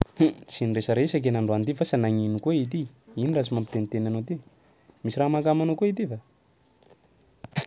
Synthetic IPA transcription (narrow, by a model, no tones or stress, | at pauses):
ht͡siniresəɾesak̬enaɳɖ͡ʐoand̪ifasanaŋinukoit̪i | ininrasumampi̥t̪enit̪enanot̪i | misiraɦmakamanokoit̪iva